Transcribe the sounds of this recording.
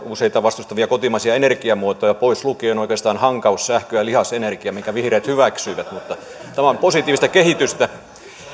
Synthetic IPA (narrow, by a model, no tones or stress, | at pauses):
useit̪ɑʋɑst̪ust̪ɑʋiɑkot̪imɑsiɑenerkiɑmuot̪ojɑpoislukeːonoikˑeˑst̪ɑːnhɑŋkɑussæhkøjɑlihɑsenerkiɑmiŋkæʋihreːt̪hyʋæksyiʋæt̪mut̪ːɑ | t̪æmæomposit̪ˑiːʋist̪ækehit̪yst̪æ